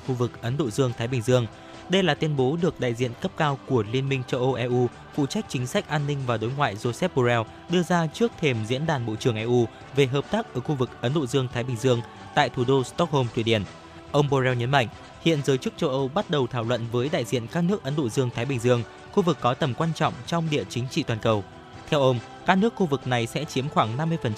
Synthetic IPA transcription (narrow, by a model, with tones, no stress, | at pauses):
xu˧vɨ˨˩k̚ʔə˨˦nɗo̰˧˨zɨ˧əŋt̪ʰaː˨˦jɓï˨˩ŋzɨ˧əŋ | ɗə˧jlaː˨˩t̪wi˧ənɓo˨˦ɗɨ˨˩ək̚ɗa̰ː˧˨jzḭ˧˨ənkə˦˥p̚kaː˧wku˧˩əli˧ənmï˧ŋ̟t͡ɕə˧wʔə˧wʔɛ˧ʔu˧ | fṵ˧˨t͡ɕa˦˥jk̚t͡ɕï˨˦ŋ̟sa˦˥k̚ʔaː˧nːï˧ŋ̟vaː˨˩ɗo˨˦jŋwa̰ː˧˨jzo˧sɛ˦˥p̚ɓo˧zɛ˧w | ɗɨ˧əzaː˧t͡ɕɨ˦˥ək̚t̪ʰe˧˩mzḭ˧˥ənɗaː˨˩nɓo̰˧˨t͡ɕɨ˨˩əŋʔɛ˧ʔu˧ | ve˨˩ɦəː˨˩p̚t̪aː˦˥k̚ʔəː˧˩xu˧vɨ˨˩k̚ʔə˨˦nɗo̰˧˨zɨ˧əŋt̪ʰaː˨˦jɓï˨˩ŋ̟zɨ˧əŋ | t̪a̰ː˧˨jt̪ʰu˨˩ɗo˧st̪ɔ˦˥k̚ho˧mt̪ʰwi˧˩ɗi˨˩ən | ʔə˧wŋ͡mɓo˧zɛ˧wɲə˨˦nma̰˧˨jŋ̟ | hḭ˧˨ənzəː˨˦jt͡ɕɨ˦˥k̚t͡ɕə˧wʔə˧wɓa˦˥t̚ɗə˨˩wt̪ʰaː˧˩wlwə̰˧˨nvəː˨˦jɗa̰ː˧˨jzḭ˧˨ənkaː˦˥k̚nɨ˦˥ək̚ʔə˨˦nɗo̰˧˨zɨ˧əŋt̪ʰaː˨˦jɓï˨˩ŋ̟zɨ˧əŋ | xu˧vɨ˨˩kːɔ˨˦t̪ə˨˩mkwaː˧nt͡ɕɔ̰˧˨wŋ͡mt͡ɕɔ˧wŋ͡mɗḭ˧˨ət͡ɕï˨˦ŋ̟t͡ɕḭ˧˨t̪waː˨˩nkə˨˩w | t̪ʰɛ˧wʔə˧wŋ͡m | kaː˦˥k̚nɨ˦˥əkxu˧vɨ˨˩k̚na˨˩jsɛ̰˧˥t͡ɕi˨˦əmxwaː˧˩ŋna˧mːɨ˧əjfə˨˩nt͡ɕ